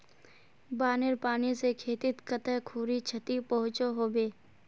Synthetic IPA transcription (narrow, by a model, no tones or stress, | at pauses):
baːneɾpaːnisekʰeːt̪ɪt̪kət̪ɛɦkʰuːɾit͡ʃʰət̪ipəɦʊ̃t͡ʃoɦoːbeː